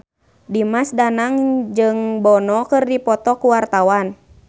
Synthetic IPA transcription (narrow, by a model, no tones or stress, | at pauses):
dimasdanaŋd͡ʒɨŋbɔnɔkɨrdipɔt̪ɔkuwart̪awan